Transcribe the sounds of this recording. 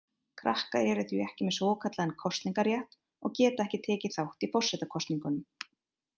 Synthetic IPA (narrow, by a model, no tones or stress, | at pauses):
kʰɾahkaðɛɾɪθʏɛhcɪmɛsɔːkʰat̪laðɛnkʰɔst̪liŋkaɾjaht̪ | ɔ̰ɣcɛːt̪aɛhcɪt̪ʰɛːcɪθawht̪ifɔrsɛjt̪akʰɔst̪niŋkʏnʏm